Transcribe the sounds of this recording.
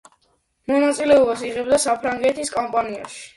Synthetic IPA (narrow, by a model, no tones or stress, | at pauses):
mɔnat̪sʼilɛɔbasiʁɛb̚d̪asapʰɾaŋɡɛt̪ʰiskʼɔmpʼania̰ʃi̥